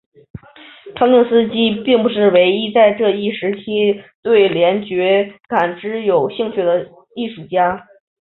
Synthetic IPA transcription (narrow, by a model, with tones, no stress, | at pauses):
ʈ͡ʂʰɑ˥ŋt̪ɤ˥˧ŋsɹ̩˥t͡ɕi˥pi˥˩ŋpu˧˥ʂɻ̩˥˩we˧˥ɪi˥t͡sa˥˧ɪʈ͡ʂɤ˥˧i˥˩ʂɻ̩˧˥t͡ɕʰi˥t̪we˥˩ɪljɛ˧˥nt͡ɕɥɛ˧˥ka˨˩nʈ͡ʂɻ̩˧˥jo˨˩ʊɕi˥˧ŋt͡ɕʰy˥˩d̪ə˩ | i˥˩ʂu˨˩t͡ɕja˥